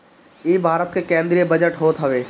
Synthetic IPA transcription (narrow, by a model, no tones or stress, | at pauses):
iːbʱaːɾət̪̚kekẽːnd̪ɾijebɐd͡ʑəʈɦoːt̪ɦɐʋeː